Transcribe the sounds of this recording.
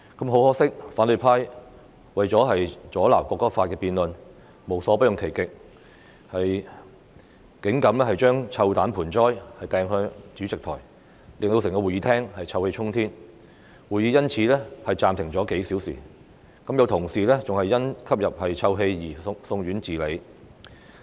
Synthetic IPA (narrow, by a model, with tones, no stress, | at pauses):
kɐ˨˥mɦo˨˥whɔː˥sɪ˥k̚faː˨˥nlɵ˨˩pʰaː˥j | wɐ˨jt͡sɔː˨˥ɦɐ˨jt͡sɔː˨˥la̰ː˨˩wkʷɔː˧kːɔː˥faː˧t̚kɛː˧piː˨nlɵ˨n | mo˨˩wsɔː˨˥pɐ˥jʊ˨ŋkʰe˨˩jkɪ˨k̚ | hɐ˨j | kɪ˨˥ŋkɐ˨˧˥mlɛ˥hɐ˨jt͡ʃœː˥ŋt͡sʰɐ˧wt̪aː˨˥npʰuː˨˩nt͡sɔː˥jhɐ˨jt̪ɛː˨˧ŋɦœ˧t͡syː˨˥t͡sɪ˨k̚t̪ʰɔ̰ː˨˩j | lɪ˨ŋt̪o˧wsɪ˨˩ŋkɔː˧wuː˨˩jiː˨˧t̪ʰɛː˥ŋhɐ˨jt͡sʰɐ˧whe˧jt͡ʃʰʊ˥ŋt̪ʰiː˥n | wuː˨˩jiː˨˧˥jɐ˥nt͡sʰiː˨˧lɛː˥hɐ˨jt͡saː˨mt̪ʰɪ˨˩ŋt͡sɔː˨˥ke˨˥jsiː˨˥wsḭː˨˩ | kɐ˨˥mjɐ˨˧wt̪ʰʊ˨˩ŋsiː˨lɛː˥t͡sʊ˨ŋhɐ˨jːɐ˥nkʰɐ˥p̚jɐ˨p̚hɐ˨jt͡sʰɐ˧wɦe˧jjiː˨˩˧sʊ˧ŋɥyː˨˥nt͡siː˨˩le˨˧j